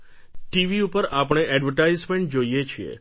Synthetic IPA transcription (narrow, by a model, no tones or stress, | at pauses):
ʈiʋiupəɾapɳ̃eʔɛɖʋəɾʈaizmẽɳʈ̚d͡ʒoijet͡ʃʰiḛ